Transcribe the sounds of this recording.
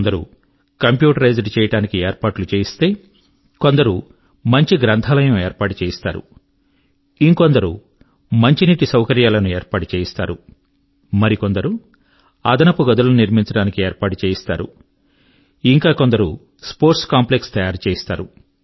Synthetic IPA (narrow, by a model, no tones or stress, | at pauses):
nd̪ɐɾṵ | kɐmpjuːʈɐɾɐjd͡ʒɐɖt͡ʃɛːjɐʈaːnikieːɾpaːʈlut͡ʃeːist̪e̞ː | ko̞nd̪ɐɾu | mɐɲt͡ʃiɡɾɐnt̪ʰaːlɐjɐmeːɾpaːʈut͡ʃeːjist̪aːɾṵ | iŋko̞nd̪ɐɾu | mɐɲt͡ʃiniʈːisɐwkɐɾjaːlɐnueːɾpaːʈut͡ʃeːjist̪aːɾṵ | mɐɾiko̞nd̪ɐɾu | ɐd̪ɐnɐpuɡɐd̪ulɐnuniɾmiɲt͡ʃɐɽaːnikieːɾpaːʈut͡ʃeːjist̪aːɾṵ | iŋkaːkond̪ɐɾu | spo̞ːɾʈskaːmple̞kst̪ɐjaːɾt͡ʃeːist̪aːɾṵ